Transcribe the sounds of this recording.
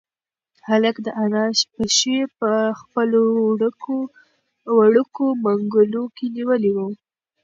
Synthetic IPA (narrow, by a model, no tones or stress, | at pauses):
haləkd̪əʔanɑʃpəʃepəxpəloɽo | waɽəkomaŋɡʊlokeniwəliwu